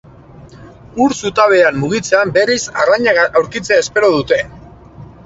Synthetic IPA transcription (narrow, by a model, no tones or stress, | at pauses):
uɾsut̪aβ̞e̞amːuɣ̞it͡se̞ambe̞ɾisaraɲaɣawɾkit͡se̞aespe̞ɾoðut̪e̞